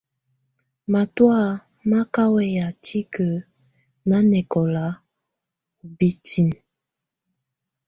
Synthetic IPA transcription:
ma˨twa˦˨ | ma˦ka˦wɛ˦ja˨tʰi˦kə˨ | na˦nɛ˨kɔ˨la˦ | u˨bi˦ti˦n

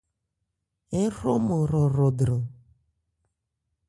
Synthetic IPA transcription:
e˦ɾo˦mʊ˨ɾɔ˨ɾo˨dɾo˨

